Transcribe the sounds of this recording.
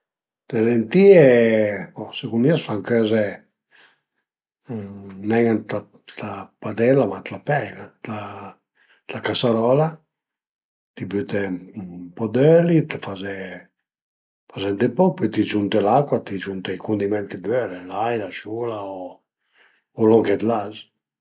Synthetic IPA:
t̪eɾent̪iɛ | ɔsekummiasfaŋkøzɛ | nɛŋant̪a | t̪apad̪ɛlamat̪lapɛjlatla | t̪akasaɾɔla | t̪ibyt̪ɛpɔd̪ɛlit̪fazɛ | fazɛnd̪epɔk̚pɔjt̪id͡ʒunt̪ɛlakːwat̪id͡ʒunt̪ɛjkund̪imɛnt̪t̪id̪vølɛlajlaʃulao | olɔŋkɛd̪laz

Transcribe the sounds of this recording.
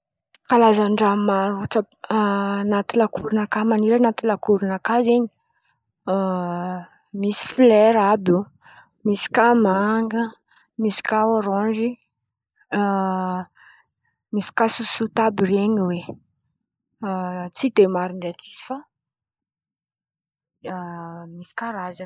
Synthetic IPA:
kalazaɳɖ͡ʐamaɾut͡sa | nat̪ilakuɾunakamaniɾanat̪ilakuɾunakaziɲi̥ | misi̥fleɾabu | misi̥kamaŋɡə | misi̥kaoɾɔɳd͡ʒi | misi̥kasusut̪abireɲiwe | t͡sid̪emaɾinɖ͡ʐat̪ʰi̥si̥fa | misi̥kaɾaza

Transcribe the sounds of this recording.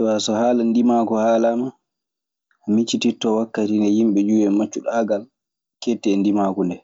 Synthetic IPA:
wasɔhaːlandimaːkɔhaːlama | ʔːmit͡ʃːititːɔwakːatinɛjimɓɛd͡ʒuːwɛmat͡ʃːuɗaːɡal | ketːɛndimaːkundɛ

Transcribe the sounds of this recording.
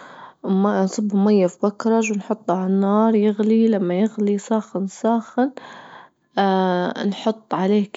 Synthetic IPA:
mansˤɨbːmajːafbakɾˤɑʒwɪnħʊt̪ˤːaʕanːɑːɾˤjɪɣlilamːajɪɣlisaːxɪnsaːxɪn | nħʊt̪ˤːʕaleːk

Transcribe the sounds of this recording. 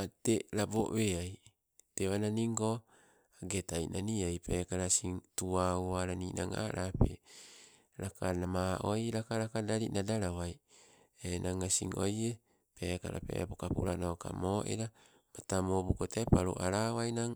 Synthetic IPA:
ateɾabo̰ʔβeaj | teβananiŋko | aɡetajnaniajpekaɾasiŋtuawaɾaninaŋa̰ɾʔape | ɾakʰanamaʔojɾakaɾakadaɾiʔnadaɾawaj | enaŋasḭŋoje | peːka̰ɾa̰pḛpokapṵɾanoka̰moːʔḛɾa | matamobukotepaɾuʔaɾawajnaŋ

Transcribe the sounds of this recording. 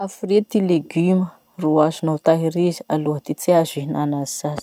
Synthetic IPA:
afret̪ileɡymə | ruazunawt̪aɦiɾizi̥aluɦət̪it͡siazinanazizaz̥

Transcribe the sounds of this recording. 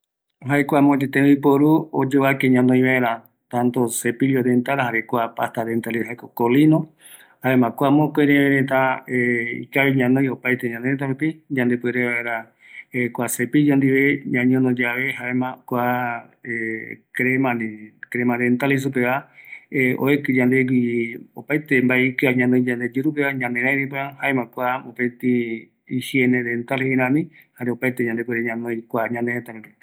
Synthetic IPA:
ɦaekʷamõd͡ʒet̪ẽipoɾuod͡ʒoβakeɲãnd̪õj̃βaeɾa | t̪ãnt̪osepiliod̪ent̪aɾaɦaɾekʷapast̪ad̪ent̪alihaekokolinõ | haemãkʷamõkoeɾẽβeɾet̪aeḭkaβiɲãnõj̃opajt̪eɲãnd̪eɾet̪̬aɾupid͡ʒãnd̪epweɾeβaeɾa | ekʷasepijond̪iβeɲãɲõnod͡ʒaβehaemãkʷa | ekɾemãnĩkɾemãd̪ent̪alis̬upeβaeo̰ekɨd͡ʒand̪ekiopajt̪embaeikɨaɲãnõj̃d͡ʒãnd̪e̞d͡ʒɨɾupeβaɲãnd̪eɾãjnĩpeahaemãkʷamopet̪i | ihjened̪ent̪aleiɾãmĩ | haɾeopajt̪eɲãnd̪ep̬weɾeɲãnõj̃kʷaɲãnd̪eɾet̪aɾupi

